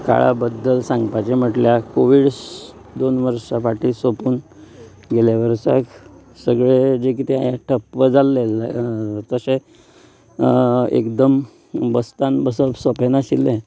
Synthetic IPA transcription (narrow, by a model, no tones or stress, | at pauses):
ka̰ɭa̰bəd̪ːəlsãŋɡpat͡ɕem̤əʈljakoʋiɽs | d̪onʋəɾʂapaʈʰisəpuːn | ɡeljaʋəɾsa̰k | səɡɭed͡ʑekit̪ʰiajaʈʰəpʋəd͡zalːe | t̪əse | ḛkd̪əm | bəst̪anbəsəpsəpenaɕilːẽ